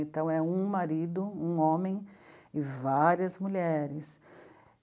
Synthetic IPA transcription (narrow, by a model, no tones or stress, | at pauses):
ẽnt̪ɐ̃w̃ɛũmaɾid̪ʊũõmẽj̃ɪvaɾiɐzmuʎɛɾɪs